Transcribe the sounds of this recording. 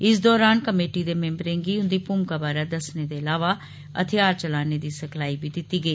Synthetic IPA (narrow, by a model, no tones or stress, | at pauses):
ɪs̬d̪ɔːɾaːnkəmeːʈiːd̪eːmẽmbɾẽːŋɡiːʊ̃nd̪iːpʊmkaːbaːɾaːd̪əsneːd̪eːəlaːʋaː | ə̰t̪ʰeaːɾt͡ʃəlaːneːd̪iːsəkʰlaːiːbiːd̪ɪt̪iːɡəiː